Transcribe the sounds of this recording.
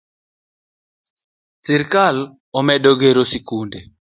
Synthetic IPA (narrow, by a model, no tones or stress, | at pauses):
siɾkal | ɔmɛɗɔɡeɾosikundɛ